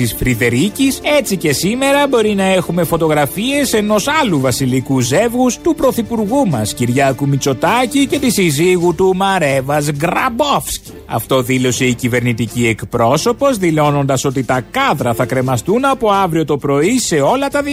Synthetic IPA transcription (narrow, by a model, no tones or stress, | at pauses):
isfɾiðe̞ɾicise̞t͡sice̞sime̞ɾɐbo̞ɾinɐe̞xume̞fo̞t̪o̞ɣɾɐfie̞se̞no̞sɐluvɐsilikuze̞vɣust̪upɾo̞θipuɾɣumɐsciɾʝɐkumit͡so̞t̪ɐcice̞t̪isiziɣut̪umɐɾe̞vɐzɡɾɐbofsc | ɐ̰ft̪o̞ðilo̞se̞icive̞ɾnit̪icie̞kpɾo̞so̞po̞zðilo̞no̞nd̪ɐso̞t̪it̪ɐkɐðɾɐθɐkɾe̞mɐst̪unɐpo̞ɐvɾio̞t̪o̞pɾo̞ise̞o̞lɐt̪ɐði